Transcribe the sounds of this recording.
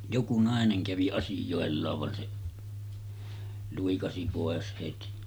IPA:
joku nɑˑeneŋ kæʋi ɑsijoˑelːɑːʋ ʋɑn se luikɑsi poˑes heti

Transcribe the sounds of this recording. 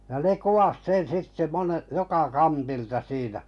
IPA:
jɑ ne kuwɑs sen sitːe mone jokɑ kɑntiltɑ siːnæ

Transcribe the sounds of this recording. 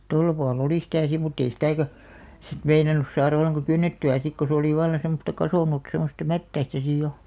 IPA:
tolːɑ puɑl oliˑ sĭtæ si mutː ei sitæˑkæ sit meinɑnus sɑːrɑ̆ olːeŋkɑ kynːetːyæ sik ko se oliˑ ʋɑlːɑn̞ semːostɑ kɑsoˑnut semːostɑ mætːæistæ sij jo

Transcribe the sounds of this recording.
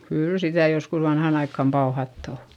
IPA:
kyːl sitæ joskus ʋɑnhɑˑn ɑikːɑm pɑuhɑtː o

